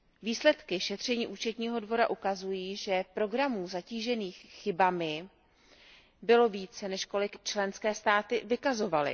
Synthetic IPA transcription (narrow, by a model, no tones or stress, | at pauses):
viːslɛt̪kɪʃɛt̪r̝̥ɛɲiːʔuːt͡ʃɛt̪ɲiːɦo̞dvo̞ɾaʔukazujiːʒɛpɾo̞ɡɾamuːzaciːʒɛniːxxɪbamɪ | bɪlo̞viːt͡sɛnɛʃko̞lɪkt͡ʃlɛnskɛːst̪aːt̪ɪvɪkazo̞valɪ̰